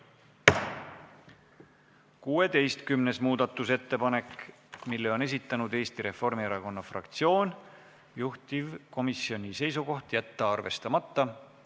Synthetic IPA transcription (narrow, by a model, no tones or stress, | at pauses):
kuːe̞t̪e̞jst̪kymne̞smuːd̪̥ɑt̪ːˑuse̞t̪ːe̞pɑne̞k | milːeo̞ne̞sit̪ːˑɑnud̪e̞ːst̪iɾe̞fo̞rmieɾɑko̞nːɑfrɑ̰kt̪sio̞ːn | juht̪ivko̞misio̞nʲise̞jsuko̞ht̪jæt̪ːɑɑrve̞̰st̪ɑmɑt̪ːɑ